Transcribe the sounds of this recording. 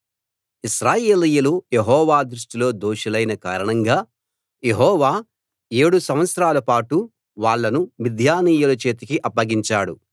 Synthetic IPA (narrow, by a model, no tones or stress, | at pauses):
iʃɾaːje̞ːlijulujeɦɔːʋaːd̪ɾuʂʈilo̞ːd̪oːʃɐlɐjnɐka̰ːɾɐɳɐŋɡaː | jeɦɔːʋaː | e̞ːɽusɐmʋɐt̪sɾaːlɐpaːʈu | ʋaːɭːɐnuʋid̪ʱjaːniːjulut͡ʃe̞ːt̪ikiʔɐpːɐɡiɲt͡ʃaːɽu